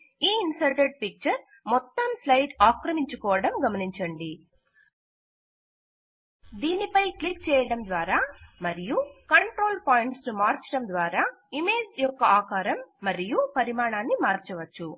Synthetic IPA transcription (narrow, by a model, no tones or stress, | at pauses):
iːinsɐɾʈeɖ̚pik̚t͡ʃɐɾ | mɔt̪ːɐmslɐjɖaːkɾɐmiɲt͡ʃukɔːʋɐɽɐmɡɐmɐniɲt͡ʃɐɳɖi | d̪iːnipɐjklikt͡ʃɛːjɐɽɐmd̪ʋaːɾaːmɐɾijukɐɳʈɾo̞ːlpaːjiɳʈsnumaːɾt͡ʃɐɽɐmd̪ʋaːɾaː | imeːd͡ʒjɔkːɐaːkaːɾɐmːɐɾijupɐɾimaːɳaːnːimaːɾt͡ʃɐʋɐt͡ʃːu